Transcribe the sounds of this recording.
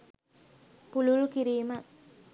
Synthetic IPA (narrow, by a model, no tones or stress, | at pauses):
pululukiɾiːmə